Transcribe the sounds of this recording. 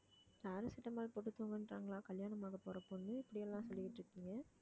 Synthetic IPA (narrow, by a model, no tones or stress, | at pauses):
k̪aːɾɐsɪʈːɐmaːlpɔʈːɯt̪ːuoːŋɡɐnɾaːŋɡɐlãːkɐljaːnɐmaːɣɐpoːɾɐpːɔnːɯɪpːɐɽɪjɛlːãːsɔlːɪjɪʈːɾɯkːɪŋɡɐ